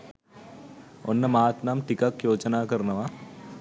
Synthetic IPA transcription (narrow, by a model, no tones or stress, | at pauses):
o̰nːɐmaːt̪namʈikɐkjoːt͡ʃɐnaːkɐɾnɐʋaː